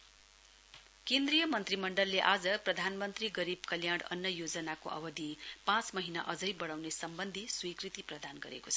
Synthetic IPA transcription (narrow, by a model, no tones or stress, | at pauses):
kend̪rijʌmʌnt̪rimʌɳɖʌlːeʔad͡zʌprʌd̪ʱanmʌnt̪riɡʌɾibkʌljaɽʌ̰nːjʌjod͡zʌnakoʔʌ̰bʌd̪ʱipãt͡smʌɦinaʔʌd͡zʌjbʌɽawnesʌmbʌnd̪ʱiswikrit̪iprʌd̪anɡʌɾḛkot͡sʰʌ̥